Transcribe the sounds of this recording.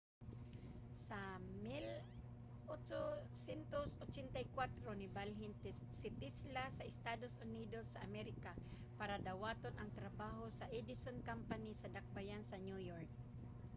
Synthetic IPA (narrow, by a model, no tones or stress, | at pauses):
samɪl | ʔot͡ʃosɛnt̪osot͡ʃɛnt̪ajkwat̪ɾonɪbalɦɪnsɪt̪islasɐʔɪst̪aːd̪osʊniːd̪osːɐʔamɛɾɪka | paɾad̪awaːt̪onʔɐŋt̪ɾabaːɦosɐʔɛd̪ɪsonkampanɪsɐd̪ak̚bajansɐnjujoɹk̚